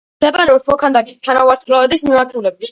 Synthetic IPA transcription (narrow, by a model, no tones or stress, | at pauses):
d̪̥ɛbaɾɛɔɔkʰand̪aɡist̪ʰaɾauaɾt̪ʰlavɛd̪ismimaɾt̪ʰulɛb̚it̪ʰ